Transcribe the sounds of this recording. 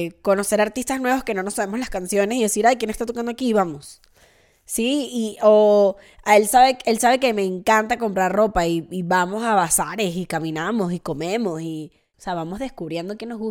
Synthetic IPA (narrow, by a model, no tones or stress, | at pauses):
ko̞no̞se̞ɾaɾt̪ist̪aznwe̞βoske̞no̞no̞saβe̞mo̞slaskansjo̞ne̞siðe̞siɾajkjenest̪at̪okand̪oakiβamo̞s | siiʔo | ae̞lsaβe̞e̞lsaβe̞ke̞me̞ːŋkant̪ako̞mpɾarro̞paiːβamo̞saβasaɾe̞sikamĩnamo̞s̬iko̞me̞mo̞si | oseaβamo̞zðe̞skuβɾje̞nd̪okjenozɣu